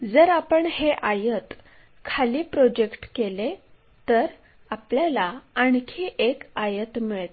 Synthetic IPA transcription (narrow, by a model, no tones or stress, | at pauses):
d͡zəɾapəɳheʔajət̪ | kʰaliːpɾod͡ʑekʈkele | t̪əɾ | apljalaaɳkʰiʔekajət̪miɭt̪